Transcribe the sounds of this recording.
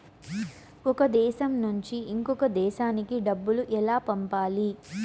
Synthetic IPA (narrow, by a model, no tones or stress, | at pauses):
ɔkɐd̪ɛːʃɐmnuɲt͡ʃiiŋkɔkɐd̪ɛːʃaːnikiɖɐbːuluʔɛlaːpɐmpaːli